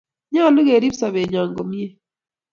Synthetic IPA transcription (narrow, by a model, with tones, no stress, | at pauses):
ɲa˦˨nu˦ɣe˨ɾi˦βsa˨βe˨ɲa˨ŋɡo˨mi˦e˦